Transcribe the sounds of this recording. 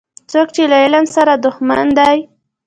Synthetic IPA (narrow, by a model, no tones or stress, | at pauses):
t͡sokt͡ʃelaɪlansaɾad̪ʊxmand̪aj